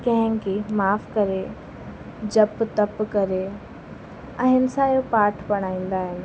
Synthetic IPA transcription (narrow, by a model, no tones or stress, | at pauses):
kɐ̃ɦɪ̃kimaːfkɐɾe | d͡ʑɐpt̪ɐpkɐɾe | ɐ̃ɦɪnɪ̆sajopaːɾʈʰbɐɽ̃aːĩːnd̪aːɦɪnɪ̆